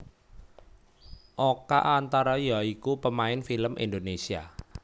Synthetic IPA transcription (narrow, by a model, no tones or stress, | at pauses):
ʔoka̰ʔant̪aɾajaikupəmaɪnfiləmʔḭnd̪onesia̰